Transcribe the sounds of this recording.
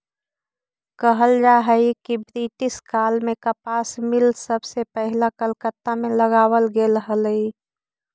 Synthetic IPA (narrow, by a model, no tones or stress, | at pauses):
kəɦəlɾaɦəikibɾiʈɪskaːlmẽkapaːsmɪlsəbʱsepəɦɪlakəlkət̪ːamẽləɡaːwəlɡeləɦəli